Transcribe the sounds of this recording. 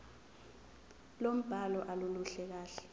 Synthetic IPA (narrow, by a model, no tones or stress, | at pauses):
lom̩b̥ʱalɔʔaluluɬɛk̬aːɬɛ̥